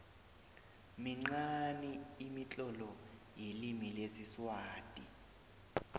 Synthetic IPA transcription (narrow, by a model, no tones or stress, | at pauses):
miŋ͡ǁaniːmit͡ɬʼɔlɔ | jilimilesiswaːtʼi